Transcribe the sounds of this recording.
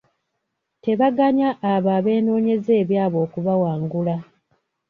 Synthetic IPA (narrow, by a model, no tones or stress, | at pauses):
te̞βaɡaɲaʔːβaβe̞ːno̞ːɲe̞ze̞ːβjaːβo̞ːkuβawaːŋɡula